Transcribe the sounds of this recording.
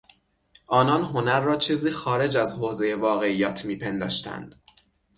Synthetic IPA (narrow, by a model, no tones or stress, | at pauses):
ʔɒːnɒːnɦo̞næɾːɒːt͡ʃʰiːziːxɒːɾe̞d͡ʒæzhoːze̞je̞vɒːɣe̞ijɒːt̪ʰmiːpʰe̞nd̪ɒ̰ːʃt̪ʰæ̰nd̪̥